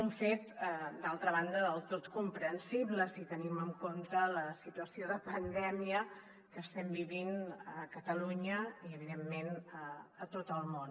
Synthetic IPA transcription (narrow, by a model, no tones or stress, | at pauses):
uɱfet̪əd̪alˠt̪ɾəβand̪əðəlˠt̪ot̪kumpɾənsiβləsit̪əniməŋkont̪ələsit̪uəsioðəpənd̪ɛmiə | kəːst̪ɛmbiβinəkət̪əluɲəiəβ̞iðemːenəːt̪ot̪əlˠmon